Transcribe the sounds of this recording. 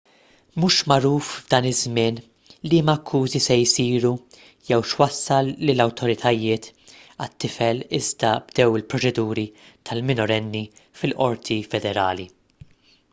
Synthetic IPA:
muːʃmɐɾuːfvd̪ɐːnɪzmɪːn | limɐkʰːuːzisɛjsiːɾu | jɛwʃwɐsːɐlːɪlːɐwt̪ʰɔɾɪt̪ʰɐjɪːt̪ɐt̪ːɪfɛlɪzd̪ɐbd̪ɛwɪlpɾɔt͡ʃɛd̪uːɾi | t̪ʰɐlmɪnɔɾɛnːifɪlʔɔɾt̪ʰifɛd̪ɛɾɐːli

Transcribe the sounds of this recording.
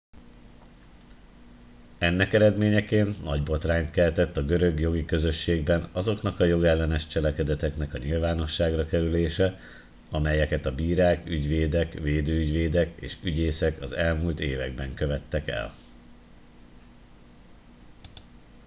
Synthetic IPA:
ɛnːɛkɛɾɛd̪meːɲɛkeːnːɒɟbo̞t̪raːɲt̪kɛlt̪ɛt̪ːɒɡø̞ɾø̞ɡjo̞ɡikø̞zø̞ʃːeːɡbɛnɒzo̞knɒkɒjo̞ɡɛlːɛnɛʃt͡ʃɛlɛkɛd̪ɛt̪ɛkn̪ɛkɒɲilvaːno̞ʃːaːɡrɒkɛɾyleːʃɛ | ɒmɛjɛkɛt̪ɒbiːɾaːkyɟʋeːd̪ɛkveːd̪øːyɟʋeːd̪ɛkḛːʃyɟeːsɛkɒzɛlmuːlt̪eːvɛɡ̚bɛŋkø̞vɛt̪ːɛkɛ̰l

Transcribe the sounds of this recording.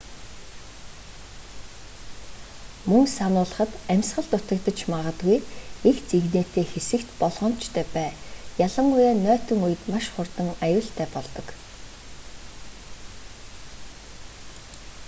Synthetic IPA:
mɵŋsanʊːɮə̆χə̆t̪æmʲsχə̆ɮt̪ʊt̪ə̆k̚t̪ə̆t͡ɕmaʁə̆t̪ɡujext͡siɣneːt̪eːxesɘ̆kt̪pɔɮʁɞ̆m̥t͡ɕt̪ʰœːpæːjaɮə̆ŋʊjaːnœːt̪ĭŋujɘ̆t̪maʃχʊrt̪ə̆ŋajʊːɬt̪ʰæːpɔɮt̪ɞ̆k

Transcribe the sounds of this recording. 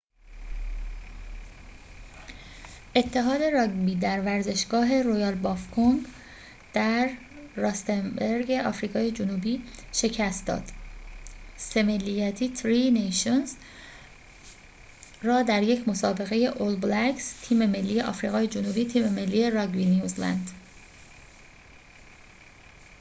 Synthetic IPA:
ʔe̞t̪ʰːeɦɒːd̪e̞ɾɒːɡbiːd̪æɾvæɾze̞ʃɡɒːɦe̞ɾojɒːlbɒːfkʰoŋɡ | d̪̥æɾː | ɒst̪embeɾɡeʔɒːfɾiːɣɒːje̞d͡ʒonuːbiːʃe̞cʰæst̪̚d̪ɒ̰ːd̪̥ | se̞me̞lːijæt̪ʰiːt̪ʰɾinejʃonz | rɒːd̪æɾje̞cʰmo̞sɒːbe̞ɣe̞je̞ʔold̪blækst̪ʰiːme̞me̞lːijeʔɒ̰fɾiːɣɒːje̞d͡ʒonuːbiːt̪ʰiːmeme̞lːiːje̞ɾɒɡbinjuzlæ̰nd̪̥

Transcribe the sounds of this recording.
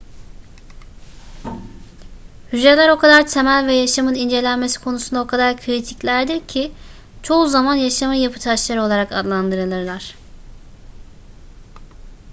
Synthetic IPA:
hyzɾelʲæɾo̞kʰad̪aɾt̪ʰe̞mælʲvɛjaʃamɯnind͡ʒe̞lʲænme̞si̥kʰo̞nusund̪ao̞kʰad̪aɾkʰɾit̪ʰiclʲæɾd̪iɾcʰi | t͡ʃʰo̞uzamanjaʃamɯjapʰɯ̥t̪ʰaʃlˠaɾɯo̞lˠaɾaka̰d̪lˠand̪ɯɾɯlˠɯɾlˠaɾ̥

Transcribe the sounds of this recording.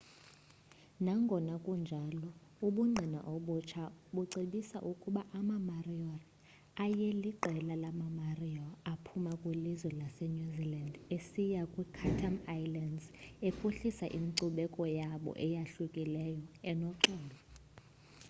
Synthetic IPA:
naŋɡʱɔnakʼund͡ʒʱalɔuɓuŋ͡ǀʱina̰ʔoɓut͡ʃʰaɓuǀiɓisa̰ʔukʼuɓaʔamamariɔl | ajeliǃɛlalamamariɔapʰumakʼwelizwɛlasenuzilandesijakʼwikʰatʰamajlandzepʰuɬisaʔimiǀuɓɛkʼɔjaɓɔ̰ʔɛjaɬukʼilɛjɔɛnɔǃɛːlɔ

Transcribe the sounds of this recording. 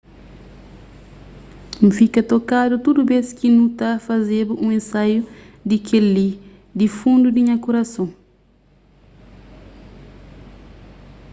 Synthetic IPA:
m̩fikɐtɔkadutudubɛskinutafazebuʔũẽnsaju | dikʰelːi | difũndudiɲakuɾasɔ̃ŋ

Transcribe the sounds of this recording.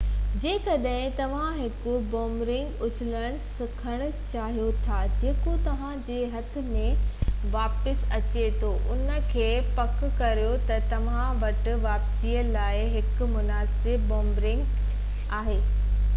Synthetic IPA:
d͡ʑeːkɐɗɦɪ̃t̪ɐʋ̤ãɦɪkʊboːmbɾɪ̃ŋɡʊd͡ʑʰʱɪləɽ̃sɪkʰəɽ̃ʊ̆t͡ɕaːɦijot̪ʰad͡ʑeːkot̪ɐʋ̤ãd͡ʑeːɦɐt̪ʰɪ̆mẽʋaːpɪsɐt͡ɕet̪ʰoʔʊnə̆kʰeːpɐkʊkɐɾijot̪ɐt̪ɐʋ̤ãʋɐʈʊ̆ʋaːpsiːəlaːɪɦɪkʊ̆mʊnaːsɪbːoːmbɾɪ̃ŋɡ | aːɦeː

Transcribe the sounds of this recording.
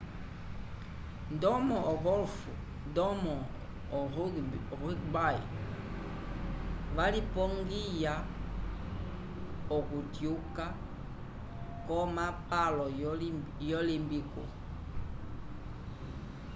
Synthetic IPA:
ndɔmɔɔɣɔlfu | ndɔmɔ | ibaḭ | valipɔŋɡija | ɔkutjuka | kɔmapalɔjɔlimbiko̰

